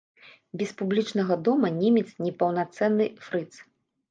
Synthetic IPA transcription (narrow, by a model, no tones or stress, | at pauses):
bʲɛspublʲit͡ʂnɐɣɐd̪ɔmɐnʲɛmʲɛt̪snʲɛpɐwnat̪sɛnːɨfɾɨt̪s